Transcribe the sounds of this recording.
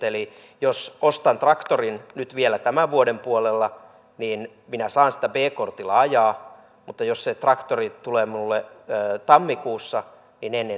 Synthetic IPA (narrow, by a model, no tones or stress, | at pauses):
eli | josost̪ɑnt̪rɑkt̪orinnyt̪ʋielæt̪æmæʋʋuodempuolelːɑ | niːn | minæsɑːnsi̥t̪æbeːkort̪ilɑɑjɑː | mut̪ːɑjosset̪rɑkt̪orit̪uleːminulːeːt̪ɑmːikuːsːɑ | ninenːe